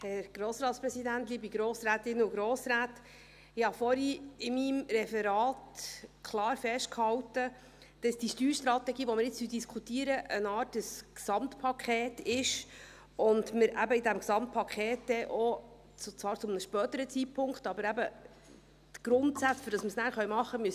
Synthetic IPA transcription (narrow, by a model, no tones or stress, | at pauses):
hɛɾɡ̥ɾoːsɾɑːt̪spɾɛsidæntliːbiɡɾoːsɾæːtɪnːəʊɡɾoːsɾæːt | ɪhɑfɔɾiɪmimɾɛfɛɾɑːtkʰlɑːɾfɛʃtkhɑwtə | d̥ɑsd̥iʃtyːʃtɾɑtɛɡiːʋɔmɪɾjɪt͡stydiskʰutiːəɾəʔənɑːrtəsksɑmtpʰɑkʰχɛːtɪʃ | ʊndməɾʔæbəɪdæmksɑmt̚pʰɑkʰχɛːtdɛʔo | t͡st͡svɑːɾt͡sʊmnəʃpœːt̪əɾət͡sit̚pʰʊŋkχtɑbəɾæbə | t̪ɡ̥ɾʊntsæt͡sføɾd̥ɑsməsnæːɾχœɥmɑχːəmyəs